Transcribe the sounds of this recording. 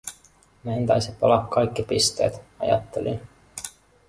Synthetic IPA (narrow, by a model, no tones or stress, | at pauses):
meænt̪ɑjsipɑlɑkkɑjkːipist̪e̞̰ːt̪ɑjɑ̰t̪ːelin